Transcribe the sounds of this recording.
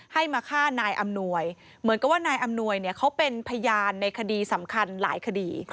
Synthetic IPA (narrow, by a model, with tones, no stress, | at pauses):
ha˥˩jmaː˧kʰaː˥˩naː˧jʔa˧mnu˧əj | mɯ˩˦nka˧p̚waː˥˩naː˧jʔa˧mnu˧əjni˥˩ɐkʰa˦˥wpe˧npʰa˧jaː˧nːa˧jkʰa˧diː˧sa˩˦mkʰa˧nla̰ː˩˦jkʰa˧diː˧